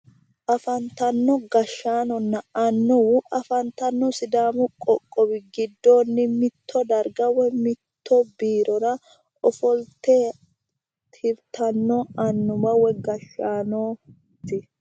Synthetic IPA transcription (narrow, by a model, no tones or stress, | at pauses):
ʔɐfɐnt̪ɐnːɔɡɐʃːaːnɔnːɐɐnːɔwɐfɐnt̪ɐnːɔsɪd̪aːmʊkʼɔkʼːɔbɪɡɪd̪ːo̞ːnːɪmɪt̪ʰːɔd̪ɐɾɡɐwɛmɪt̪ʰːɔbiːɾɔɾɐ | ɔfɔlt̪eː | t̪ʰɪɾt̪ɐnːɔɐnːʊmɐwɛɡɐʃːaːnoː | t̪ːɪ